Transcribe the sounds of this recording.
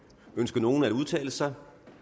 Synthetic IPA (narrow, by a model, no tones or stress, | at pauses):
ønsɡ̥ɐno̝ːn̩æduð̞ˠt͡sʰɛ̰ːləsɑ̈ɪ